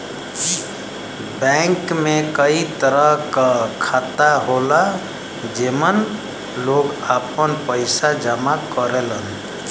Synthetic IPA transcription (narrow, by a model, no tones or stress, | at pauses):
bəŋkmekəit̪əɾəɦkakʰat̪aɦola | d͡ʒemən | loɡapənpəɪsad͡ʒəmakəɾelən